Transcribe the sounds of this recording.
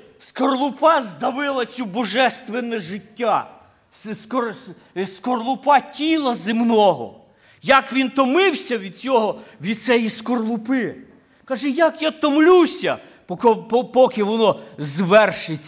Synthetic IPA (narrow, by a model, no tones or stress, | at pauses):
skɔrlˠʊpɑzd̪ɐʋɪlˠɐt͡sʲubɔʒɛst̪ʋenɛʒɪtʲːa | sskɔ | skɔrlˠʊpɑtʲilˠɐzɪmnɔɦɔ̰ | jɐkʋʲint̪ɔmɪwsʲɐʋʲid̪̚t͡sʲɔɦɔʋʲid̪̚sɛjiskɔrlˠʊpɪ | kɑʒɛjakjat̪ɔmlʲusʲɐ | pɔkɔpɔpɔkɪʋɔnɔzʋɛrʃɪt͡sʲ